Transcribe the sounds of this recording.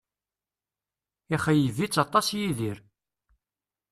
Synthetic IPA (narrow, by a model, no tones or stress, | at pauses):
iχæjəvit͡sːɑt̪ˤɑsjiðiɾ